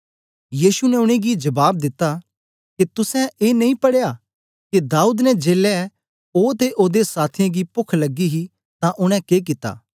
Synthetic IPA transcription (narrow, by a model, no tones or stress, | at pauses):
jiːsunɛʊɽ̃eɡid͡ʒɐbaːb̚d̪ɪt̪ːa | kit̪ʊsɛ̃eːnɐĩpɐɽeja | kid̪aːuːd̪nɛd͡ʒeːlːɛ | oːt̪eʔoːd̪esaːt̪ʰɪjãɡipʊkʰlɐɡːiɦi | t̪ãʔʊɽ̃ɛ̃kek̬ɪt̪a̰ː